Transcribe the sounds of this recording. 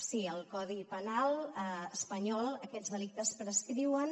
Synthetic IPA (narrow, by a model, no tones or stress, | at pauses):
siəlˠkɔð̞ipənalˠəəspəɲɔlˠəkɛdzðəlik̚t̪əspɾəskɾiwən